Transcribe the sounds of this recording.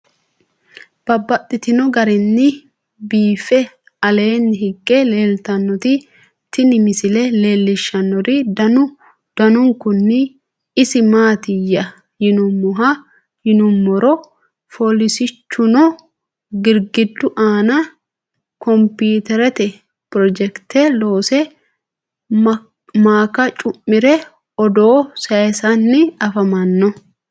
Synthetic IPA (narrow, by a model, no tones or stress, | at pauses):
b̥ɐbːɐt̪ʼːɪt̪ɪnɔɡɐɾɛnːɪ | biːfɛ | ɐle̞ːnːɪɦɪkʼːɛleːlt̪ɐnːɔt̪ɪ | t̪ɪnɪmɪsɪlɛle̞ːlːɪʃːɐnːɔɾɪdɐnʊ | d̪̥ɐnʊŋkʊnːɪ | ɪsɪmaːt̪ɪjːɐ | jɪnʊmːɔɦɐ | jɪnʊmːɔɾɔ | folɪsɪt͡ʃːʊnɔ | ɡɪɾɡɪd̪ːʊʔaːnɐ | kɔmpiːt̪ɛɾɛt̪ɛ | pɾɔd͡ʒɛkt̪eloːsɛ | maːkɐt͡ʃʼʊmːɪɾɛ | ɔd̪oːsɐɛsɐnːɪɐfɐmɐnːɔ